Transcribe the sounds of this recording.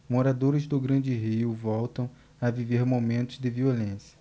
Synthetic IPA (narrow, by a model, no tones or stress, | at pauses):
moɾad̪oɾɪzd̪ʊɡɾɐ̃d͡ʒɪɦiʊvɔwt̪ɐ̃w̃ | aviveɾmomẽnt̪ʊzd̪ɪviolẽsjɐ̥